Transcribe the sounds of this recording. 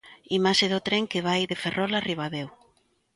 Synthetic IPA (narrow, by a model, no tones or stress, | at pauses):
imaʃɪðʊt̪ɾeŋkeβajðeferʔɔlariβ̞aðew